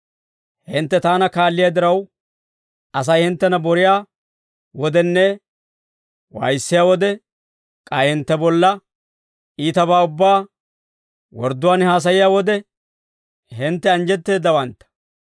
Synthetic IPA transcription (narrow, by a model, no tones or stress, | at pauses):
hɪnt̪ːɛt̪aːnɐkaːlːɪjaːd̪ɪɾɐw | ɐs̬ɐjhɪnt̪ːɛnɐbɔɾɪjaː | wɔd̪ɛnːɛ | wɐ̰jsːɪjaːwɔd̪ɛ | kʼɐjhɪnt̪ːɛbɔlːɐ | ʔiːt̪ɐbaːʊbːaː | wɔɾd̪ːʊwaːnhaːs̬ɐjɪjaːwɔd̪ɛ | hɪnt̪ːɛɐnd͡ʒɛt̪ːe̞ːd̪ːɐwɐnt̪ːɐ̥